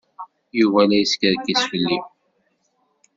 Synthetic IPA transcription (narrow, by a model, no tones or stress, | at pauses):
juvælæjiskəɾkːisfəlːi